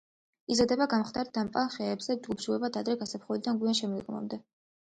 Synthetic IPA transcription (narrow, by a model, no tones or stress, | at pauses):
izad̪ɛbaɡamχd̪aɾt̪̚d̪ampʼalˠχɛːbzɛd͡ʒɡubʃuɛbad̪ad̪ɾɛɡasapχɔlid̪anɡianʃɛmɛɡʼma̰md̪ɛ